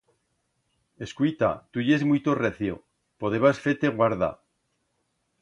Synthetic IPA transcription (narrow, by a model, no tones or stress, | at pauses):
e̞skuit̪a̰t̪uʝezmuijt̪oreθjo̰ | poðeβasfet̪eɣwaɾða̰